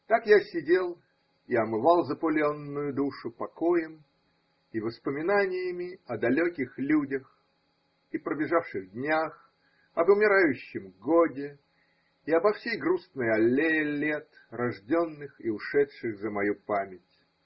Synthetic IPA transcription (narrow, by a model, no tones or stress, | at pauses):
t̪akjasʲɪdʲe̞lˠ | iɐmɨvɑlˠzəpʊlʲɪonːʊjʊd̪uʂʊpɐkojɪm | ivəspəmʲɪnanʲɪjɪmʲɪɐd̪ɐlʲokʲɪxlʲudʲəx | ipɾəbʲɪʐafʂɨɣdʲnʲax | ɐbʊmʲɪɾajʉɕːɪmɡodʲɪː | ɐbɐfsʲejɡɾusnəjɐlʲelʲet̪ | rɐʐdʲo̞nːɨxɪ̰ʊʂɛtʂɨxzəmɐjupamʲɪtʲ